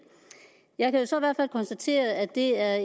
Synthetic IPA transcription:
jɑ̈ɪkʰæjo̝sɒ̽iʋæɐ̰d̥fælkʰɒ̽nsd̥æt͡sʰe̝̰ːɐðˠæd̥e̝æɐ

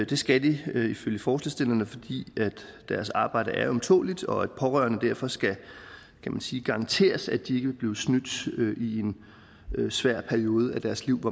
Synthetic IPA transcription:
d̥e̝sɡ̥æd̥iiføljəfɒːslesd̥e̝lnəfɒ̽d̥ḭːæd̥ːæɐsɑ̈ːb̥ɑ̈ɪ̰d̥əʔæɐɒ̽mt͡sʰo̝̰ːlid̥ɒ̽æd̥̚pʰɒ̽ʁœɐnəd̥æɐ̰fɒ̽sɡ̥æ | kʰæmænsiːɡ̥ɑ̈ɑ̈nt͡sʰe̝̰ːɐsæd̥ie̝ɡ̥əʋe̝b̥liːʊsnyd̥ʔie̝n | øsʋæɐ̰pʰæɐio̝ːð̞ˠəæd̥æɐsliʊ̰ʋɒ

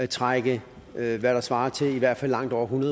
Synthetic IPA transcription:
t͡sʰʁaɡ̥ə | ʋæɾ̥ɑ̈sʋɑ̈ːɐt͡sʰe̝liʋæɐ̰d̥fælːɑ̈ŋ̰d̥ɒʊ̰ɐɦunɐð

